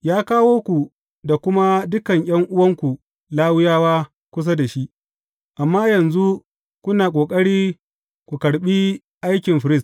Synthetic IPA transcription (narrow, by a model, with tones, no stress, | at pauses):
jaː˦kaː˦woː˦kʷu˨ | da˨kʷʊ˦ma˦dʊ˦kɐ˨ŋj̰ɐ˦ŋʔʊ˦wɐ˦ŋkʷu˨ | laː˦wʊ˦jaː˦waː˦ | kʷʊ˦s̬a˦da˨ʃi˦ʔ | ʔa˨mːaː˦jɐ˨nzu˦ | kʷʊ˦naː˨kʷʼoː˨kʼɐ˦ɽiː˦ | kʷu˨kɐ˨ɽɓi˦ | ʔa˦jkʲɪ˨mɸɪ˨ɾɪ˦˨s